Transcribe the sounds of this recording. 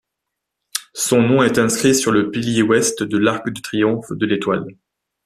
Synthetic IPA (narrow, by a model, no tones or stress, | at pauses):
sɔ̃nɔ̃ɛt̪ɛ̃skχisyʁləpiljewɛst̪d̪əlaʁkd̪ət̪χijɔ̃fd̪əlet̪wa̰l